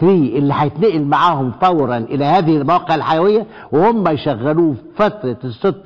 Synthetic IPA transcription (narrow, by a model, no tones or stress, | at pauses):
t̪ɾiːʔɪlːiħajɪt̪neʔɪlmaʕaːhʊmfæwɾɑnʔɪlæhæːðɪhɪlmæwæːqeʕalħajæwɪjːæ | wɪhomːæjʃæɣːæluːfæt̪ɾˤɑsˤːot̪ˤː